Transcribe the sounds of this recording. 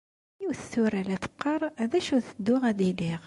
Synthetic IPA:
iwθθʊɾælæt̪ə̥qːɑɾˤæðæʃuθəd̪ːʊʁæd̪iliʁ

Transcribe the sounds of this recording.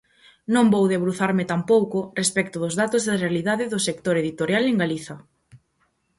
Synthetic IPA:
nõmbowðeβɾuθaɾmɪt̪ampowkʊrespɛkt̪ʊðʊzðat̪ʊzðɐrealiðaðɪðʊsekt̪oɾeðit̪oɾjaleŋɡaliθɐ

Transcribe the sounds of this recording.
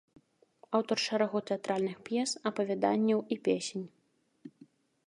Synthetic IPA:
awt̪ɔrʂɐɾaɣɔt̪ɛat̪ɾalʲnɨxpjɛsɐpɐvʲad̪a̰nʲːɐwipʲesʲenʲ

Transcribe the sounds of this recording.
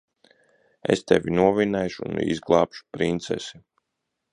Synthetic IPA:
ḛst̪ɛvinuɔvinɛjʃṵnḭzɡlˠɑːpʃu̥pɾint̪sɛ̰si

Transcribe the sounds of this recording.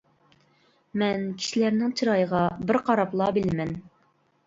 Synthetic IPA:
mɛnkʲʰi̥ʃilæɾnɪŋt͡ʃʰiɾɑjəʁɑbɪɾqʰɑɾɑplˠɑbɪlɪmɛn

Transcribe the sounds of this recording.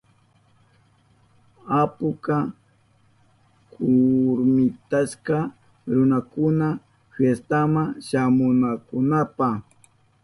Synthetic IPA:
apʊka | kʰʊɾmɪt̪aʃka | ɾʊnakʊna | fest̪amaʃamʊnakʊnapa

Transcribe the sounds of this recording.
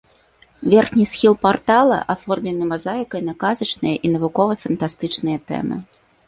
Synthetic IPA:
vʲɛrxnʲisxʲilˠpart̪alˠɐ̰ʔafɔrmʲlʲɛnɨmazajkɐjnɐkazɐt͡ʂnɨjɐʔinɐvukɔvɐfɐnt̪ast̪ɨt͡ʂnɨjɐt̪ɛ̰mɨ̰

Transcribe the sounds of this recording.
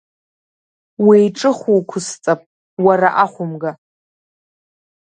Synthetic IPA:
wijʈ͡ʂʼɨχuwkʷʰʊst͡sʼapʼ | waɾaʔaχʷʊmɡa

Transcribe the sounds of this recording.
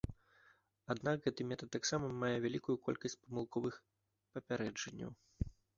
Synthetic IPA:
ad̪nakɣɛt̪ɨmʲɛt̪ɐt̪ːaksamɐmajɛvʲalʲikujukɔ̰lʲkɐsʲt͡sʲpɐmɨlˠkɔvɨx | pɐpʲaɾɛd͡ʐɐnʲːɐ̰w

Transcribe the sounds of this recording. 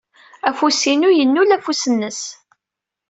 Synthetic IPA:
æfusinujənːulæfusənːəs

